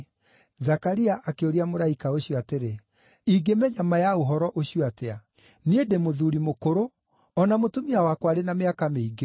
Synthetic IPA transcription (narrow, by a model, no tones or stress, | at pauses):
zakaɾiaʔakeoɾiamoɾaikaoɕjoateɾe | iɡemɛɲamajaoɦɔɾɔʔoɕijɔatɛa | niedemoðuɾimokoɾo | ɔnamotomiawakwaɾenameakameiɡe